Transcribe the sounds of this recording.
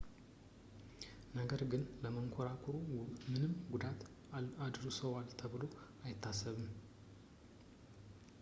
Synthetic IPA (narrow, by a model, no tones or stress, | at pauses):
nəɡəɾɡɨnləməŋkʷʰɔɾakʰɔɾumɨnɨmɡud̪at̪ | ad̪ɨɾsəwalt̪ʰəβɨlo̞ajɪt̪ʰːasːəβɨm